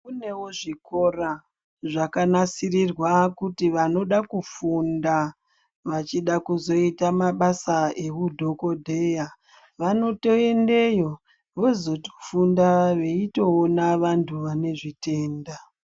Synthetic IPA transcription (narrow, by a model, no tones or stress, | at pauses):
kune̞woʐiko̞ra | ʐakanasirirwakutiʋano̞ɗakufunda | ʋat͡ʃiɗakuzo̞itamaɓasae̞kudʱo̞ko̞dʱe̞ja | ʋano̞to̞e̞nde̞jo̞ | ʋo̞zo̞to̥fundaʋe̞ito̞ːnaʋantʰuʋane̞ʐite̞ːnda